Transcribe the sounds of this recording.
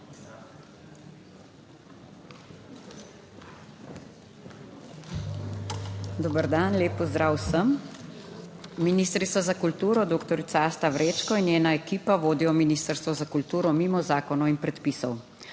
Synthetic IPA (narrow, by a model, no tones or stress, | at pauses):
d̪oːbəɾd̪anleːpːɔzd̪ɾaːwsəm | inist̪ɾit̪sʋɔzakult̪uːɾɔd̪oːkt̪ɔɾit̪saːst̪aʋɾeːt͡ʃkɔinjeːnaɛkiːpaʋoːd̪ijɔminist̪əɾst̪ʋɔzakult̪uːɾɔmiːmɔzaːkɔnɔinpɾɛt̪pisɔw